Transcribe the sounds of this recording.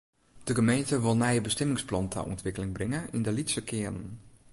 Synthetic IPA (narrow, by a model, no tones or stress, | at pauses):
d̥əɡəmejntəʋɪlˠnɛjəbəstɛmɪŋsplˠɑntʰɛ̰ʔɔ̰ntʋɪkəlɪŋbrɪŋəʔɪndəlitsəkʰɪənən